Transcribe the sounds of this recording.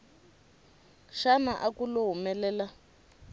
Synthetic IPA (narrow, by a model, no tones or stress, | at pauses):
ʃanaʔakuloɦumɛlɛːla